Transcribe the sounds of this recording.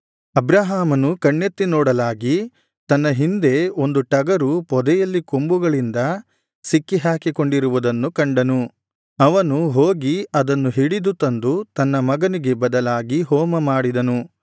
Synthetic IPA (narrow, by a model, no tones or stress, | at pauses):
ɐbɾaːɦaːmɐnukɐɳːet̪ːinɔːɽɐlaːɡi | t̪ɐnːɐɦind̪e̞o̞nd̪uʈɐɡɐɾupɔd̪ɛjɐlːikombuɡɐɭind̪ɐ | sikːiɦaːkiko̞ɳɖiɾuʋud̪ɐnːukɐɳɖɐnu | ɐʋɐnuɦoːɡiɐd̪ɐnːuɦiɽid̪ut̪ɐnd̪ut̪ɐnːɐmɐɡɐniɡe̞bɐd̪ɐlaːɡiɦɔːmɐmaːɽid̪ɐnu